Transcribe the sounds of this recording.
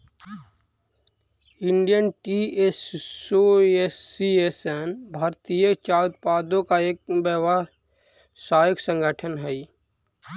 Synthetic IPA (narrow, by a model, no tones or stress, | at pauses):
ɪɳɖijənʈiesoesːiesenbʱaːɾt̪ijət͡ʃaːʊt̪̚paːd̪õkaeːk̚bjəʋa | saːjəksə̃ŋɡʱəʈʰənɦɛi